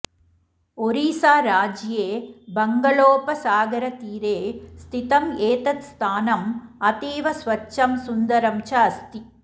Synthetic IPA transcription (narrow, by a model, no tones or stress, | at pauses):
ɔɾiːsaːɾaːd͡ʒjeːbɐŋɡɐɭoːpɐsaːɡɐɾɐt̪iːɾeːst̪ʰɪt̪ɐmeːt̪ɐt̪st̪ʰaːnɐmɐt̪iːʋɐsʋɐt͡ʃːɐmsʊnd̪ɐɾɐmt͡ʃɐɐst̪i